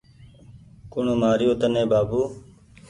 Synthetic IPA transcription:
kʊɳomaːɾɪjoːt̪ənẽːbaːbuː

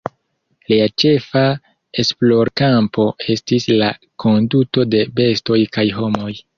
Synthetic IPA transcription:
liat͡ʃe̞fa | e̞splo̞ɾkampo̞e̞stisla | kʰo̞nduto̞de̞be̞sto̞jkajɦo̞mo̞j

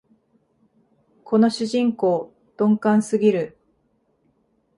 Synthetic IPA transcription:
kʰo̞no̞ɕɨʑĩŋko̞ː | d̪̥õ̞ŋkãɰ̃sɨɡʲiɾɯ̟

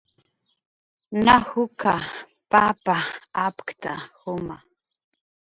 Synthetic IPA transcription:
nahʊka | papaapkt̪ahʊma

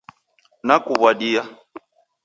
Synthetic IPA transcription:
nakuβwadija

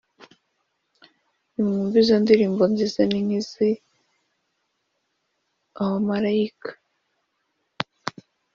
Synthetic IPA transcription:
imŋuːmvizandiɾiːmbonzizaniŋizi | awamaɾaikḁ

